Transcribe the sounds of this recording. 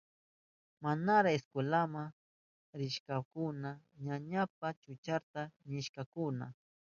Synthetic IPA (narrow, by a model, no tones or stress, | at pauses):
manaɾaeskwelama | ɾɪʃkakʊna | ɲaɲap̚at͡ʃʊt͡ʃaɾt̪anɪʃkakʊna